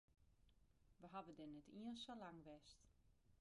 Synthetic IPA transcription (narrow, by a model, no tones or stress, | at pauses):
ʋəɦavədɛnɛtiənsolaŋʋɛst